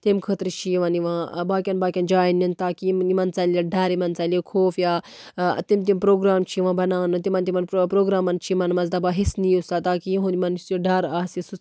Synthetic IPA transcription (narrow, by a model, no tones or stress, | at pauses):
t̪imkʰət̪ɾt͡ʃʰiʋɐniʋãːbaːkʲɐnbaːkʲɐnd͡ʒaːinɐnt̪aːkiimɐnt͡salɐɖɐɾimɐnt͡salekʰoːfja̰ː | t̪imt̪impɾoːɡɾaːmt͡ʃʰiʋãːbɐnaːnɨt̪imɐnt̪imɐnpɾoːɡɾaːmɐnt͡ʃʰimɐnmɐnzd̪abaːɦisniːusaːt̪aːkiɦõnimɐnsoɖɐɾaːsisu